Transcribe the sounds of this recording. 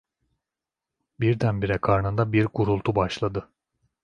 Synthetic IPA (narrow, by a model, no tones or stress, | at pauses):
biɾd̪ænbiɾɛkʰaɾnɯnd̪abiɾɡuɾulˠt̪ʰubaʃlˠad̪ɯ